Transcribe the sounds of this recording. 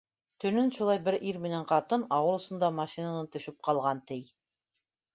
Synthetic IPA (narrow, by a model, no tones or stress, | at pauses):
t̪ɵ̆nɵnʃulˠɑjbɘɾiɾmɘ̆næɴqɑt̪ɤnɑwɤ̆ɾˠŏsŏnd̪ɑmɑʃinanɤnt̪ɵ̆ʃɵp̚qɑlˠʁɑnt̪ɘj